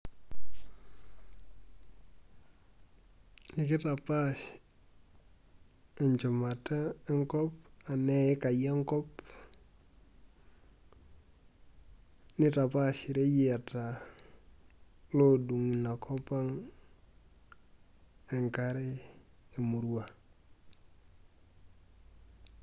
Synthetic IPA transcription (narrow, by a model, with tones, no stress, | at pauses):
ni˦ki˦ta˨pa˦ʃ | e˨ɲt͡ʃu˨ma˨ta˦e˦ŋkɔ˦pa˨ne˦ɪ˦ka˨ja˦ŋkɔ˦p | nɪ˦ta˨pa˦ʃi˨ɾe˦ji˦a˨ta˨ | lo˦du˨ŋi˨na˨kʰo˦pa˦ŋ | e˨ŋka˦ɾe˦i˨mu˨ɾu˦wa˨